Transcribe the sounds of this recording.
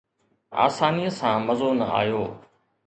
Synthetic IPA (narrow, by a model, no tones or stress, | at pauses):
a̰ːsaːniəsãːmɐzoːnɐ̰a̰ːjoː